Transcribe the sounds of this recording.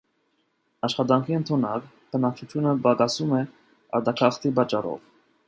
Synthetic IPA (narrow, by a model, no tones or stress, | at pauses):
ɑʃχɑt̪̬ɑŋkʰiənt̪ʰunɑk | b̥ənɑk̚ʰt͡ʃʰut̪ʰjunəbɑkɑsumɛ | ɑ̰ɾt̪ɑkʰɑχt̪ʰibɑt͡ʃːɑɾɔ̰v